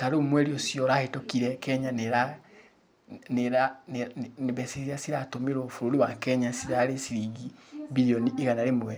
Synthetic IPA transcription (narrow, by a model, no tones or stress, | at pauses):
taɾomwɛɾiosjɔɾahetokiɾɛkɛɲaneɾa | neɾanneβɛsiiasiɾatomeɾofuɾoɾiwakɛɲasiɾaɾesiɾiɡibiɾioniːɣanaɾemwɛ